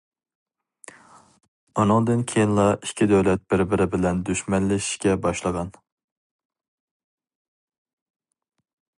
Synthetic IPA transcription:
unɨŋd̪ɪnkʲʰejinlˠɑikʲʰːid̪ɛwlɛt̪̚bɪɾbɪɾɪbɪlɛnd̪yʃmɛnlɛʃi̥ʃkʲɛbɑʃlˠəʁɑn

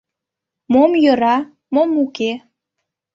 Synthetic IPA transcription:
momjɤɾɑ | momuke

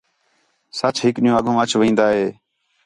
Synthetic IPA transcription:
sət͡ʃʰɦɪkɗɪjũːəɡʱõːət͡ʃʰʋĩːnd̪aːɦeː

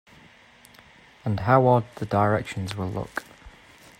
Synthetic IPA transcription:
ə̃nɦaʊɔd̪̚ðədəɪɹɛkʃə̃nzwɪlˠlʊ̰k

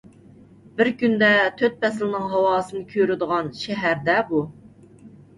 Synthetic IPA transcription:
bɪɾkʲynd̪ɛt̪ʰøt̪̚pɛslˠnɨŋɦɑwɑːsɨnɨkʲʰøɾɪd̪əʁɑnʃɛɦæɾd̪ɛbu

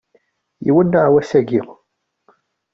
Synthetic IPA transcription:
jḭwənːəʁwæsæɡiʁ

